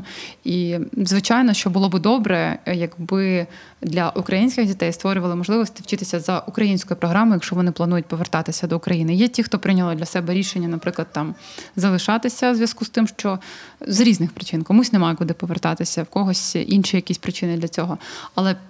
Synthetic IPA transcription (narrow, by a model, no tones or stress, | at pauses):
izʋɪt͡ʃɑjnɔʃt͡ʃɔbʊlˠɔbɨd̪ɔbɾɛjɐɡbɪ | d̪lʲɐʔukɾʔɐjinʲsʲkʲɪɣdʲit̪ɛjst̪ʋɔɾʲʊʋɐlˠɪmɔʒlˠɪʋɔsʲt̪ɪwt͡ʃɪt̪ɪsʲɐzɐʔukɾɐjinʲsʲkɔjʊpɾɔɦɾɑmʊjɐkʃt͡ʃɔʋɔnɪplˠɐnujʊt̚ʲpɔʋert̪ɑt̪ɪsʲɐd̪ɔʊkɾɐjinɪjɛtʲixt̪ɔpɾɪnʲɐlˠɔd̪lʲɐsɛbɛɾʲiʃenʲːɐnɐpɾɪklˠɐd̪̚t̪ɑmzɐlˠɪʃɑt̪ɪsʲɐzʋjɐskust̪ɪmʃt͡ʃɔzɾʲiznɪxpɾɪt͡ʃɪnkɔmusʲnemɑjɛkʊd̪ɪpɔʋert̪ɑt̪ɪsʲɐwkɔɦɔsʲinʃijɐkʲisʲpɾɪt͡ʃɪnɪd̪lʲɐt͡sʲɔɦɔɐlˠɛ